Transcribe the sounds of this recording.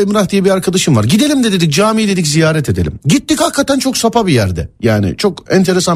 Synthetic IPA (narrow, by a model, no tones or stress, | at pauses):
imɾahd̪ijɛbiaɾkʰad̪aʃɯmvaɾɟid̪e̞lʲimd̪ɛd̪ed̪ic̚d͡ʒaːmijd̪e̞d̪iczijaːɾɛt̪ʰe̞d̪elʲḭmɟit̪ːichakʰːat̪ænt͡ʃʰo̞ksapʰabijæɾd̪ɛ̰jaːnɪ̰t͡ʃʰo̞kɛnt̪ʰe̞ɾesa